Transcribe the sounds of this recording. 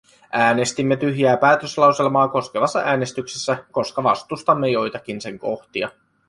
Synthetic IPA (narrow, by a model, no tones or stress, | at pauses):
ʔæːne̞st̪imːet̪yɦjæːpæːt̪øslɑwse̞lmɑːko̞ske̞ʋɑsːɑ̰ʔæːne̞st̪yksesːæko̞skɑʋɑ̰st̪ust̪ɑmːe̞jo̞jt̪ɑk̟inse̞ŋko̞xt̪iɑ